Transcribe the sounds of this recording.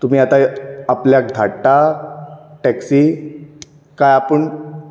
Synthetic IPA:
t̪um̤iːat̪aapljak̚d̪ʱaʈa | ʈɛksi | kajapəɳ

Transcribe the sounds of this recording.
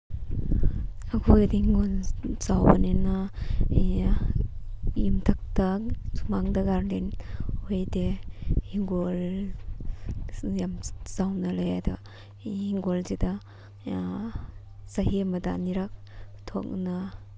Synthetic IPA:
akʰojdehiŋɡonsawbanena | jimtʰak̚tasumaŋdaɡaɾlenhojdehiŋɡol | jamzawnalajada | hiŋɡolzeda | saɦimɐdaniɾak̚ | tʰo̰k̚na

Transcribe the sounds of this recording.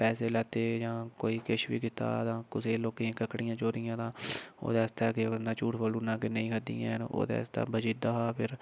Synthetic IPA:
pɛːseːlɛːt̪eːd͡ʒãːkoːiːkəʃʋḭːkɪt̪a̰ːt̪ãːkʊseːloːkeãːkəkɽɪ̃ːjãːt͡ʃoːɾɪjãːt̪ãːo̰ːd̪aːst̪aːkenãːt͡ʃuːʈbəluːnãːkenəĩːkʰəd̪ḭːã̰ːno̰ːd̪a̰ːst̪a̰ːbəd͡ʒiːd̪aːɦaːpʰɪɾ

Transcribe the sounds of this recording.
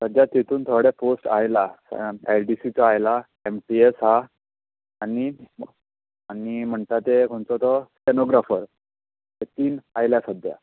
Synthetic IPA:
səd͡ʑjat̪ːit̪ʰuːnt̪ʰɔɽɛfosʈa̰jlaselɖisit͡saajla | emʈiesɦa | ani | anim̤əɳt̪at̪ekʰoɳt͡sɔt̪ɔsenoɡɾafəɾ | t̪et̪iːnajljasəd̪ʱja̰

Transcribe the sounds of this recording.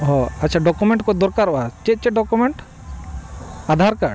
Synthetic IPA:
ɦɔ̃ɐtːt͡ʃʰaɖɔkumɛɳʈkɔd̪ɔɾkaɾɔat͡ʃɛt̪̚t͡ʃɛɖɔkumɛɳʈ | ad̪ʱaɾkaɖ

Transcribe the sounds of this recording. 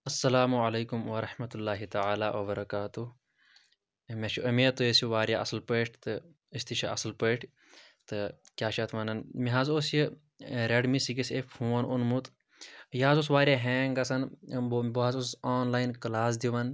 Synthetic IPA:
ɐsːɐlaːmuʕɐleːkumwɐɾɐħmɐt̪ulːaːɦit̪ɐʕaːlaːwɐbɐɾɐkaːt̪u | meʃʰuʔɐmeːt̪ujesiʋaːɾjaːɐsɐlpəʈʰt̪ɨ | isʲt̪it͡ʃʰiɐ̰sɐlpəːʈʰ | t̪ɨkʲaːʃʰɐt̪ʰʋɐnɐnmiɦazosji | ɾeɖmisiɡisefhuːʋɐnunmut̪ | jaːzos̬ʋaːɾʲjaːɦeːŋɡɐsɐnbboɦɐzosaːnlaːinklaːs̬d̪iʋɐn

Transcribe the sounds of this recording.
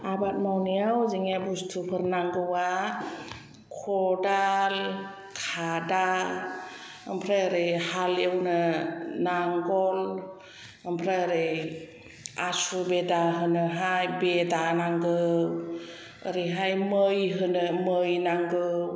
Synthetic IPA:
abat̚mawnijawziŋabustʰupʰɯɾnaŋɡɯwa | kʰɔdal | kʰada | əmpʰɾaaɾɯjhalewnɯnaŋɡɔl | əmpʰɾaaɾɯj | asubedaɦɯnɯɦajbedanaŋɡɯw | ə̰ɾiɦajmɯjɦɯnɯmɯjnaŋɡɯw

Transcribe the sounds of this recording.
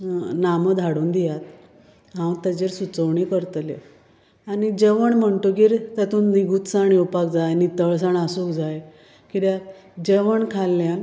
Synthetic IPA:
naməd̪ʱaɽuːnd̪ijat̪ | ɦãw̃t̪ad͡ʑeɾsut͡səwɳikəɾt̪lḛ | anid͡ʑeʋəɳm̤əɳtokiːɾt̪jat̪uːnːiɡuːt̪saɳiupak̚d͡zajnit̪əɭs̬aɳasukd͡zaj | kit̪ja | d͡ʑeʋəɳkʰalːjan

